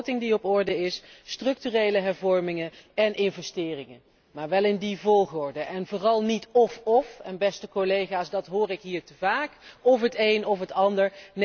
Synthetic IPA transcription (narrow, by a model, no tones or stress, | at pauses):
tɪŋdiɔpɔɹdəɪsːtrɵk̚tyrejləɦɛɹvɔɹmɪŋəɛnɪnvɛstɪːrɪŋə | maːɹʋɛlɪndivɔlˠχɔɹdəʔɛnvoːrɑlˠnitɔfɔfɛnbɛstəkolejχaːsdɑtɦʊːrɪkɦiːɹtəvaːkɔfɦətejnɔfɦətɑndəɹn